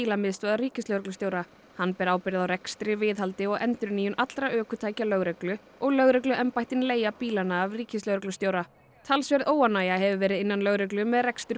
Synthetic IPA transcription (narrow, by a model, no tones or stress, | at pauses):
iːlamɪðst̪vɛðaɾiːcɪsœwɾɛklʏst̪joːwɾa | hanːpɛːɾaːwpɪɾɪðawɾɛkst̪ɾɪvɪːðɦalt̪ɪɔɣɛnt̪ʏɾniːjʏnʔat̪lɾaʔœːkʏt̪ʰaːjcalœɣɾɛklʏ | ɔɣlœɣɾɛklʏʔɛmpajht̪ɪnleːjapiːlanaːvriːcɪst̪œːwɾɛklʏst̪joːwɾa | t̪ʰalsvɛɾðoːwanaːjaɦɛvʏvɛːɾɪðɪnːanlœɣɾɛklʏmɛðrɛkst̪ʏɾ